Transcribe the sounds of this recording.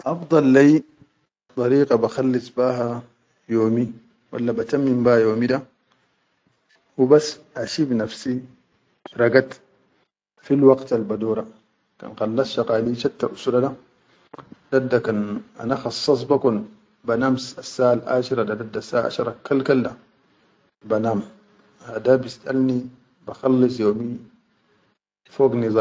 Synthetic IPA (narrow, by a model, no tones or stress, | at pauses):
ʔɑfd̪ˤɑlːaj | t̪ˤɑɾiːqabaxalːisˤbaːɦa | joːmi | wa̰lːabat̪amːimbahjoːmida | wubasʔaʃibnafsi | ɾˤɑɡat̪ | filwɑqt̪albad̪oːɾa | ka̰nxɑlːɑsʃɑqaːliʃat̪ːaʔusuɾada | d̥adːakana̰naxɑsˤːɑs̬ˤbakun | banamsasːaʔalʔa̰ːʃiɾadadad̪ːasaa̰ʔa̰ʃɾˤakːalkalda | banaːm | had̪abisʔa̰lni | baxɑlːis̬ˤjoːmi | foːɡnizˤɑ